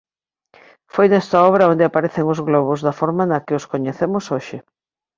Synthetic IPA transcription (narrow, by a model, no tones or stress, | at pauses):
fojnɛst̪ɐɔβɾɐond̪ɪapaɾeθeŋʊzɣlɔβ̞ʊzðɐfɔɾmɐnɐkɪoskoɲeθemʊsoʃɪ